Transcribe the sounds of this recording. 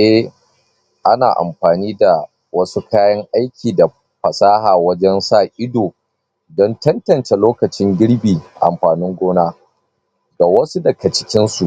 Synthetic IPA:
ʔɛ˦ | ʔa˦na̰ː˨ʔa̰˨mɸaː˨niː˦da˨ | wɐ˦su˦kaː˦jɐ˦ŋʔa˦jkʲʰiː˨da˨ | ɸɐ˨saː˦haː˨wɐ˦d͡ʒɛ˦nsaː˦˨ʔɪ˦doː˨ | dɔ˦ntɐ˦ntɐ˨nt͡ʃe˨loː˦kɐ˨t͡ʃɪ˦ŋɡʲɪ˦ɽbiː˨ʔa̰˨mɸaː˨nɪ˦ŋɡʷoː˦naː˦ | ɡa˨wɐ˦su˦dɐ˨kɐ˨t͡ʃɪ̥˦kʲɪ˦nsu˨ʔ

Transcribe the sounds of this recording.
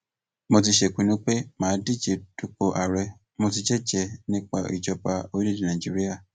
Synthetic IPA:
mo˧t̬i˧ʃe˨kʷũ˨˧˦nĩ˦k͡pe˦mãː˨˦di˦˨d͡ʒe˧tu˦k͡po˧ʔa˨ɾɛ˧ | mo˧ti˧d͡ʒɛ˦d͡ʒɛ˧nĩ˦k͡pa˧ḭ˨d͡ʒɔ˨pa˧o˧˦i˦di˨nã˨d͡ʒi˦ɾi˦a˦˨

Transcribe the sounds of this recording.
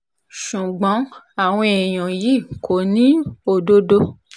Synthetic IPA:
ʃu˨ɡ͡bɔ̃˨˦ | a˦˨w̃ɔ̃˧e˨j̃ɔ̃˨ji˨˦˨kʰo˨˦nĩ˦o˨do˧do˦

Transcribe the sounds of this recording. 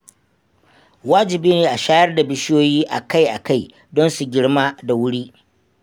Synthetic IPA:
waː˦d͡ʒɪ˨biː˦neː˨ʔa˨ʃaː˦jɐ˦rda˨bɪ˦ʃjoː˦jiː˦ʔa̰˨ka˦˨jʔa˨ka˦˨j | dɔ˦nsu˨ɡʲɪ˦ɽma˦da˨wʊ˦ɽiː˦

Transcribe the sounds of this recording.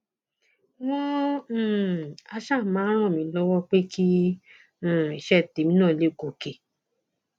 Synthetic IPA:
w̃ɔ̃˦˨ | a˧ʃa˦˨˦mãː˨˦ɾ̃ɔ̃˦˨mĩ˧˦lɔ˦wɔ˦k͡pe˦kĩ˦˨ | i˨ʃɛ˦˨te˨mĩ˦nãː˦˨le˨˦˨ɡo˨ke˨

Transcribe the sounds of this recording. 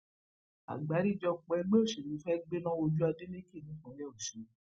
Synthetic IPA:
a̰˨ɡ͡ba˨˦ɾi˦˨d͡ʒɔ˧k͡pɔ˧ɛ˧ɡ͡be˦o˦˨ʃe˨ɾĩ˨˦fɛ˦ɡ͡be˦nã˦o˧d͡ʒu˦a˧de˦le˦ki˦˨nĩ˨˦kɔ̃˨˦jɛ˦˨ʃu˨˦

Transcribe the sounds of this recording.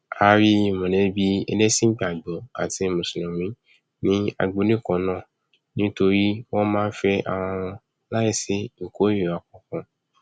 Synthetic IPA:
a˨˦ɾi˦˨mɔ̃˨ne˨˦bi˦ɛ˧ne˦sĩ˦pĩ˦a˨ɡ͡bɔ˨˦a̰˨ti˧˨mũ˨sĩ˨lɔ̃˨mĩ˨˦ | nĩ˦a̰˧ɡ͡bo˨˧˦nĩ˦˨kɔ̃˨˦nã˦˨ | nĩ˦to˧ɾi˦wɔ̃˦mãː˦˧˦fɛ˦a̰˨w̃ɔ̃˧ɔ̃˧ | la˦ji˦˨se˦ŋ̩˨ko˨˦e˦˨a˨kɔ̃˧kɔ̃˧

